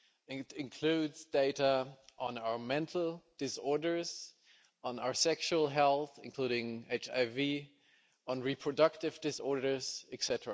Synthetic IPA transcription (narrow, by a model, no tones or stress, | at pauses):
ɪ̃ɪ̃nkʰl̥ʉdz̥deɪɾəʔə̃naʊə˞mɛ̃ntʰl̩ˠd̥ɨsɔɹdə˞z̥ | ə̃naʊə˞sɛkʃuəl̩ˠɦɛlˠθɪ̰̃nkʰl̥uɾɪ̃ŋeɪt͡ʃa̰ɪvi | ə̃nɹipʰɹ̥ɨdʌk̚tɨvdɨsɔɹɾə˞z̥ɨksɛtəɹa